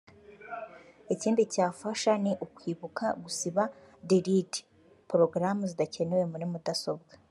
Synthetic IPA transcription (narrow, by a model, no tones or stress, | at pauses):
iciːndicaːfaʃaniʔukwiːβukaɡusiβa | diɾidi̥ | pɾo̞ɡɾamuzidace̞newe̞muɾimudaso̞b̚ɡḁ